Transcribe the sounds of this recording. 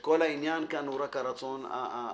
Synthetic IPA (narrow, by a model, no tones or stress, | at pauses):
kolainjaːnkanuɾakaɾat͡sona̰